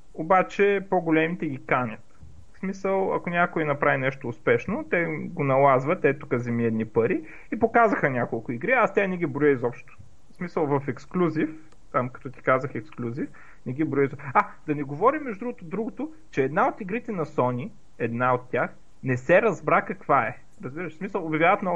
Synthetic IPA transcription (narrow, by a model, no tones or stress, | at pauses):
obat͡ʃɛpoɡolʲɛmit̪ɛɡʲikanʲɐt̪ | smisəlˠɐ̰konʲakʊjinɐpɾavinɛʃt̪oːspɛʃnot̪ɛɡonɐlˠazvɐt̪ːɛt̪ukəzɛmiɛd̪nipɐɾi | ipokazəxənʲakolˠkʊiɡɾiast̪ɛanɛɡ̟ibɾʊjəizɔpʃt̪ʊ̥ | smisəlˠvɐfɛksklʲuzif | t̪amkɐ̥t̪ɔt̪i̥kazəxɛksklʲuzif | nɛɡ̟ibɾʊjəizɔad̪ɐnɛɡovɔɾimːɛʒd̪ud̪ɾuɡʊt̪ʊd̪ɾuɡʊt̪ʊ | t͡ʃɛːd̪naot̪iɡɾit̪ɛnɐsɔnʲi | ɛd̪naot̪ːʲjax | nɛsɛɾɐzbɾakɐkvaɛ | ɾɐzbiɾəʃsmisəlˠobʲjɐvjavət̪nɔ